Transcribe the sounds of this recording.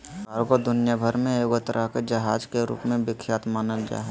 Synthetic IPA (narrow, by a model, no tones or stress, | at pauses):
aɾɡod̪ʊnɪjabʱəɾmẽjoːɡt̪əɾəɦked͡ʒɐɦaːd͡ʒkeɾṵːpmẽbɪkʰːjaːt̪maːnəld͡ʒa̰ːɦɛ